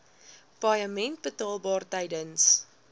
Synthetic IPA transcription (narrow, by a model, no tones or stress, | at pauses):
pɐjəmɛnt̚bətɑːlˠbɑːrtɐjdəns